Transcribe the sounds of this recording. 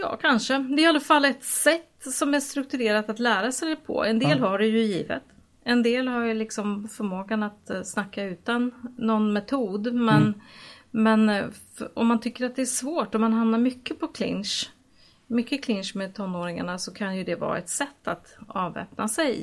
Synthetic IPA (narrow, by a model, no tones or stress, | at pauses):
jɑ̰ːkʰanʂəd̪ɛɛɾɪalːafalːɛt̪sɛt̪ːsɔmæɾʂt̪ɾɵk̚t̪ɵɾeːɾat̪at̪læːɾasɛjpʰɔ̰ɛnd̪ːlhaɖɛjɵjiːvə̰t̪ | ɛnd̪eːlhaɾjlɪksɔmfœɾmoːɡanat̪snakːaʉ̟ːt̪anːɔnmɛt̪ʰuːd̪mɛn | mɛn | ɔ̰mːant̪ʰʏkːəɾat̪̚d̪ɛæʂvoːʈɔmːanɦamnaɾmʏkːəpʰɔkʰlɪ̰nʂ | mʏkːəkʰlɪnʂmeːt̪ʰɔnːoːɾɪŋa̰ɳasɔkʰanjɵd̪ɛvɑ̰ːɾa̰ɛt̪sɛt̪ːat̪ɑːvɛ̰ːp̚nasɛj